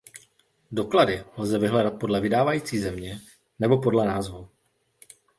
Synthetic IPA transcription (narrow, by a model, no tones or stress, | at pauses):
do̞kladɪlzɛvɪɦlɛdat̪̚po̞dlɛvɪdaːvajiːt͡siːzɛmɲɛ | nɛbo̞po̞dlɛnaːzvu